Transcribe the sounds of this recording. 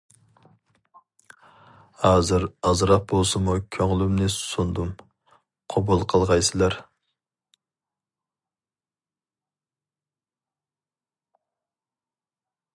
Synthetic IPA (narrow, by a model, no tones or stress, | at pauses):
hɑːzɨɾɑzɾɑq̚bolˠsɨmukʲʰøŋɪlymnɪsund̪um | qʰobulˠqʰəlˠʁɑjsɨlˠɑɾ